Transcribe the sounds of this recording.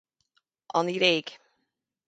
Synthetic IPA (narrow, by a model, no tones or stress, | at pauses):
ʔɑniɾeːɡ